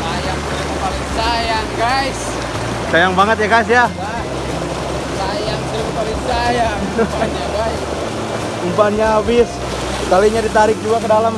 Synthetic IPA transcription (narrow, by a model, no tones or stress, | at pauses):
ajaŋs | paliŋsajaŋɡajs | sajaŋbaŋət̪̬̚jaɡais̬ja | sajaŋsəkpaliŋsajaŋaɡajs | umpanɲaːbɪs | kaliɲadit̪aɾɪk̚d͡ʒuakədalam